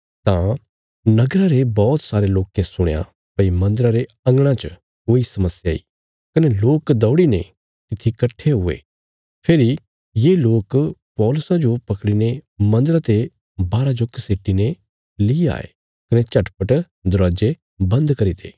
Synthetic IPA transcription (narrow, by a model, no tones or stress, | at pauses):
t̪ã | nɐɡɾaɾebɔːt̪saːɾeloːkːesʊɽ̃ja̰ | pɐimɐ̃nd̪əɾaɾe | ɐ̃ŋɡɽ̃ãt͡ʃ | koːisɐməsjaḭ | kɐneloːkd̪ɐːɽinḛ | t̪ɪt̪ʰːikɐʈʰːeɦʊḛ | pʰeːɾi | jeːloːkpɔːlʊsad͡ʒopɐkɽinemɐ̃nd̪əɾat̪e | baːɾad͡ʒʊkːseːʈːine | liːa̰ːḛ | kɐnet͡ʃɐʈpəʈ | d̪ʊɾaːd͡ʒe | bɐ̃nd̪kɐɾit̪ʰḛː